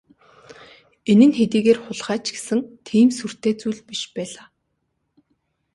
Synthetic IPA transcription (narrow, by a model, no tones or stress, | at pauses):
enɘ̆nxet̪iːɣeːrχʊɮχæːt͡ɕɡe̥sɘ̆ŋt̪ʰiːmsur̥t̪eːt͡suːɮpiʃpæːɮaː